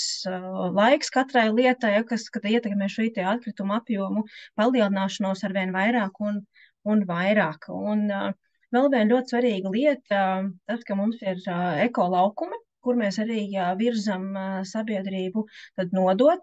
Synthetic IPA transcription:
slˠajkskat̪ɾajlˠiɛt̪ajakaskad̪iɛt̪ɛkmɛːʃɛjt̪ɛat̪̚kɾit̪umapjuɔmupalˠiɛlˠinaːʃanuɔsaɾʋiɛnvajɾaːkun | unvajɾaːkun | vɛlˠviɛnlʲuɔt̪svaɾiːɡlˠiɛt̪ət̪askamumsiɾɛkɔːlˠɑwkumi | kuɾmɛːsaɾiːviɾzamsabiɛd̪ɾiːbut̪ad̪nuɔd̪uɔt̪

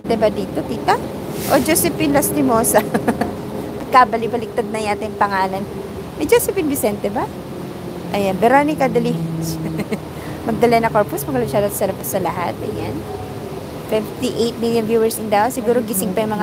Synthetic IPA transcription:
t̪ɛbɐd̪iːt̪ot̪iːt̪ɐ | ʔod͡ʒosɛpɪnlast̪ɪmoːsɐ | nɐɡ̚kabɐlɪpɐlɪk̚t̪ad̪̚nɐjaːt̪ɛjŋpɐŋaːlɐn | mɐd͡ʒosɛpɪnvɪsɛnt̪ɛbɐ | ʔɐjanbɛɾonɪkɐd̪ɐli | mɐɡ̚d̪ɐlɐjnɐkoɹposmɐɡɐlɐʃad̪ɐsɐɾɐpɐsɐlɐɦa̰t̪̚ʔɐ̰ja̰n | fift̪iʔejt̪̚miljʊnvjuːwɛɹsɪnd̪aosɪɡuːɾoɡisɪŋpɐjʊŋmɐŋa

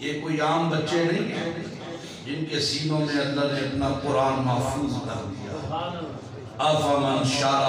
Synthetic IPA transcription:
jekoːiaːmbɐtːʃenɐɦĩːɛ | d͡ʒɪnkesiːnõmẽɐ̃nd̪əɾnɪt̪napʊɾaːnmɐɦfuːzkɐ̰ɾd̪ɪ̰ja̰ː | ɐbɐmɪnʃaː

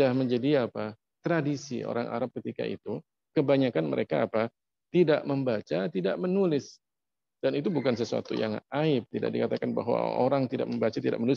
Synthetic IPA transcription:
ahməɲd͡ʒadiapa | t̪ɾadisḭo̰ɾaŋa̰ɾap̚kət̪ika̰ḭt̪u | kəbaɲakanmə̰ɾekaːpa | t̪idaʔməmbat͡ʃat̪idaʔmənulɪs | d̥anit̪ubukansəsua̰t̪ṵja̰ŋaɪp̚t̪ida̰ʔ̚dikat̪akanba̰ɦwa̰oɾaŋt̪ida̰ʔ̚məmbat͡ʃat̪idaʔmənulɪs

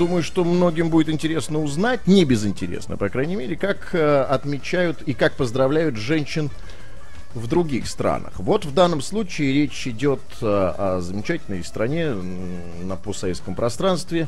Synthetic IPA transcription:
d̪uməjʊʂt̪o̞mno̞ɡʲɪmbudʲɪt̪ɪnʲtʲɪɾʲe̞snəʊznat̚ʲnʲɪbʲɪzɨnʲtʲɪɾʲḛsnə̰pɐkɾajnʲɪmʲeɾʲɪkakɐt̪mʲɪt͡ɕæjʊt̪ikak̚pəzd̪ɾɐvlʲæjʊt̪ʐɛnʲɕːɪn | vd̪ɾʊɡʲixst̪ɾa̰nə̰xvo̞t̪vd̪anːəmslˠut͡ɕɪːɾʲet͡ɕɪdʲo̞t̪əɐzəmʲɪt͡ɕætʲɪlʲnə̰jst̪ɾɐnʲe̞ | nəposːɐvet̪skəmpɾʔɐst̪ɾanst̪vʲɪ

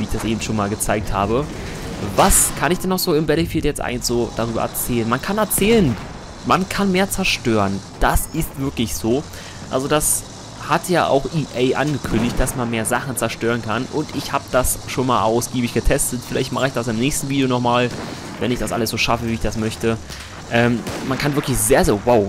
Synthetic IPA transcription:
viːɪçd̥asʔeːbm̩tʃoːnmaːlɡət͡saɪk̚tha̰ːbə | vaskʰanɪçd̥ɛnːɔχz̥oːɪmbɛləfiːltjɛt͡stʔa̰ɪɡnsz̥oːd̥aʁ̞yːbɐ̰ʔɛ̰ɐt͡sɛːlənmankʰanɛɐt͡sɛːlən | mankʰanmeːɐt͡sɛɐʃtøːʁənd̥asʔɪstv̥ɪɐklɪçz̥oː | ʔa̰lzodas | hatʰjaːʔa̰ʊxʔiːʔeɪʔa̰nɡəkʰʏndɪçt̚d̥asmanmeːɐzaχn̩t͡sɛɐʃtøːʁ̞ənkʰanʔʊ̰ntɪçhaːbəd̥asʃoːnmaːlʔaʊsɡ̥iːbɪçɡ̥ətʰɛstətfɪlaɪçt̚maχəɪçd̥asɪmnɛːçstn̩viːdijonɔχmaːl | vɛ̰nɪçd̥asʔa̰ləsz̥oːʃafəviːɪçd̥asmœçtə | ʔɛːmmankʰanvɪɐklɪçz̥eːɐzeːwaʊ

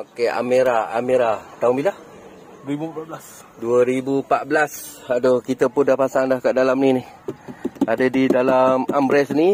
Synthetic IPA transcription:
okea̰meɾaa̰meɾat̪auŋbila | ibupablas | duəɾibupaʔ̚blasadokit̪əpʊndahpasaŋdahkaʔdalamninih | adədidalamambɾɛsni

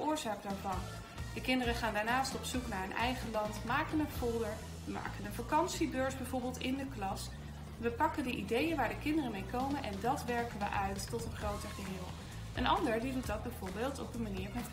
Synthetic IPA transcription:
ʊːɹzaːk̚daːɹvɑn | dəkɪndərəχaːndaːɹnaːstɔpsuknaːɹənʔɛ̰jχəlɑntmaːkənənfʊlˠdəɹ | ʋəma̰ːkənənvakɑnsibøːɹsbɛjvoɹbɪːlˠtɪndəklɑs | ʋəpɑkəndəʔidejənʋaːɹdəkɪndərəmejkowmənʔɛndɑtʋɛɹkənʋə̰ʔœɥtːɔtənχrowtəɹχəɦɪːlˠ | ʔənɑ̰ndəɹdidutdɑd̚bɛjvoːɹbeːlˠtɔpənmaniːɹɑnt

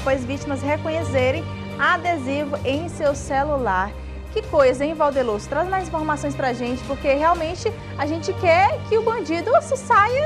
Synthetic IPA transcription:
pojzvit͡ʃimɐshekõɲeseɾẽj̃ | aad̪ezivʊʔẽj̃sewselulaɾ | kɪkojzɐẽĩvawd̪elozʊ̥t̪ɾazmajzĩfoɾmasõj̃spɾɐaʒẽnt͡ʃɪ̥poɾkeɦeawmẽnt͡ʃɪ | aʒẽt͡ʃɪkɛɾkɪʊbɐ̃nd͡ʒid̪ʊsɪsajɐ

